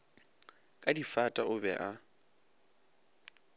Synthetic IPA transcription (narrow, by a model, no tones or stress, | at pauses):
kʼadifatʼaʊbɛ̰ʔa